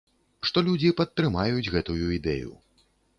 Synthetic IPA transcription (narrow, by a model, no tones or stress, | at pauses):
ʂt̪ɔlʲud͡zʲipɐt̪ːɾɨmajud͡zʲɣɛt̪ujuid̪ɛ̰jṵ